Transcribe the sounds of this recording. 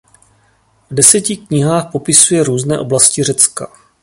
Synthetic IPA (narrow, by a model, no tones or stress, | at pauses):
vdɛsɛcɪkɲɪɦaːxpo̞pɪsujɛɾuːznɛːʔo̞blascɪr̝ɛt͡ska